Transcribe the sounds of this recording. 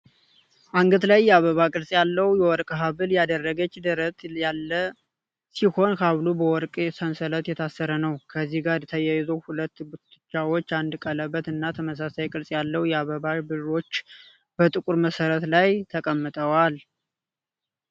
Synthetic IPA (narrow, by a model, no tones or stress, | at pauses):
ʔaŋɡət̪lajːɛaβəβakʼɨɾsʼjalːəwjɛwɔɾkʼɦaβɨljad̪ərːəɡət͡ʃːd̪əɾət̪ʼjalːə | siho̞nkʰaβlubəwɔɾkʼsənsələt̪jɛt̪ʰasːəɾənəwkʰəzːihɡaɾɛt̪ʰəjajzowhulət̪ːɡut̪ɨt͡ʃːawot͡ʃːand̪kʼələbːət̪ɨnːat̪ʰəməs̬asajkʼɨɾsʼjalːəwjɛaβəβabɨro̞t͡ʃː | b̥ət̪ʼɨkʼuɾməsəɾət̪lajt̪ʰəkʼəmːɨt̪ʼəwal